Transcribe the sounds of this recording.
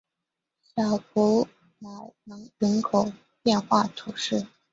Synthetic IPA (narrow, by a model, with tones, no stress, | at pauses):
ɕjɑ˨˩ʊkɔ˧˥ | ma˨˩ɪnɤ˧˥ŋɻə˧˥nkʰo˨˩ʊ | pjɛ˥˧nxwa˥˩t̪ʰu˨˧˩ʂɻ̩˥˩